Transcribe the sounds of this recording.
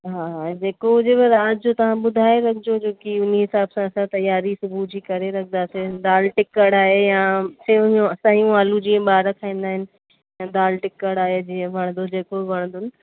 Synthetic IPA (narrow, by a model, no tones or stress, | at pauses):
ɦaːd͡ʑeːkoʊd͡ʑebɪɾaːd̪d͡ʑot̪ɐʋ̤ãɓʊd̪ʱaːeɾɐkʰɪd͡ʑod͡ʑoːkiʊniɦɪsaːbsãsãt̪ɐjaːɾisʊbʱud͡ʑikɐɾeɾɐkʰənd̪aːsed̪aːlʈɪkəɽaːɦejasẽsɐɦijũaːlud͡ʑiːə̃ɓaːɾɐkʰaːĩːn̆d̪aːɦɪnɪ̆ | jãd̪aːlʈɪkəɽaːɦed͡ʑiːə̃bʱɐɽ̃nd̪od͡ʑeːkobʱɐɽ̃nd̪ʊnɪ̆